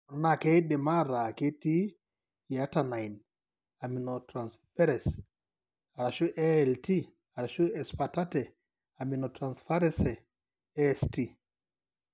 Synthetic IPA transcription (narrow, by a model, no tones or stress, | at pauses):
ɔɾnakɛɗɛmaɾaketi | atanajn | aminɔtɾansfɛɾɛs | aɾaʃuʔɛɛlti | aɾaʃuɛspatatɛ | aminɔtɾansfaɾɛsɛ | sti